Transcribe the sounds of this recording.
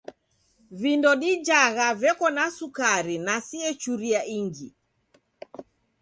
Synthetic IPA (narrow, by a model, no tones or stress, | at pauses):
vindɔɗid͡ʒaɣavɛkɔnasukaɾinasiɛt͡ʃuɾiaʔiŋɡi